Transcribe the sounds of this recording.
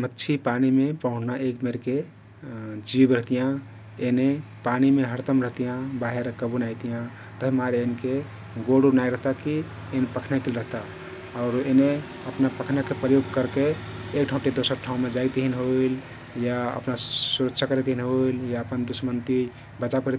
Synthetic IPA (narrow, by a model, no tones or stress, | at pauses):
mətːʃʰipanimepəɦũʈʰnaʔekmeɾke | d͡ʒibɾəɦt̪ijã | ene | panimeɦəɾt̪əmɾəɦt̪ijãbaɦeɾkəbunajt̪ijã | t̪əɦimaɾenke | ɡoɽubnajɾəɦt̪aki | enpəkʰnakelɾəɦt̪a | ɔʊɾene | əpnapəkʰnakepɾəjoɡkəɾkeː | kʈʰaũʈed̪osəɾʈʰaũmed͡ʒajt̪ɦinɦoil | jaə̰pnasuɾəkt͡ʃʰakəɾɛt̪iɦinɦoiljaəpənd̪usəmənt̪i | bət͡ʃakəɾɛt̪